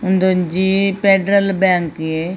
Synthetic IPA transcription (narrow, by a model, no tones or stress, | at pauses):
ʊnd̪ond͡ʒiːpeːɖɾəlbɛ̃ːŋkeː